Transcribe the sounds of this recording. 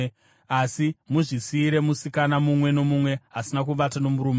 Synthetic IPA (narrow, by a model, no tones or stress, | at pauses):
asimuʐisiːɾe̞musikanamumwe̞no̞mumwe̞ɦasinak̬uɓatano̞muɾuːme